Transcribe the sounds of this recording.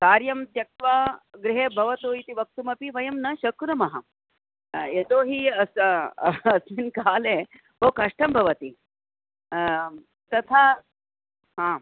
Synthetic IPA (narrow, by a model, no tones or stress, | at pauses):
kaːɾjɐmt̪jɐk̚t̪ʋaɡɾɪɦeːbʱɐʋɐt̪oːjit̪iʋɐk̚t̪umɐpiʋɐjɐmnɐʃɐkɾumɐɦɐ | jɐd̪oːɦiɐs | ɐsminkaːle | bʱɐwkɐʂʈɐmbʱɐʋɐt̪i | t̪ɐt̪ʰaː | ɦãː